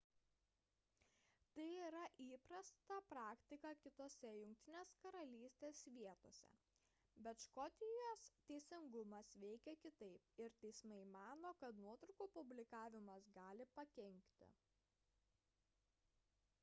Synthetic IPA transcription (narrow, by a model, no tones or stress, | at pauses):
t̪ɐɪiːɾɐʔiːpɾɐst̪ɐpɾɑːkt̪ʲɪkɑkʲɪt̪oːsʲɛjʊŋʲk̚ʲt̪ʲɪnʲeːskɐɾɐlʲiːsʲt̪ʲeːsʋʲiɛt̪oːsʲɛ̰ | bʲɛt̪ʃkɔt̪ʲɪjoːst̪ʲɛɪsʲɪŋɡʊmɐsʋʲɛɪkʲɛkʲɪt̪ɐɪpɪɾt̪ʲɛɪsmɐɪmɑːnoːkɐt̪nuɔt̪ɾoʊkuːpʊbʲlʲɪkɑːʋʲɪmɐsɡɑːlʲɪpɐkʲɛŋʲkt̪ʲɪ̰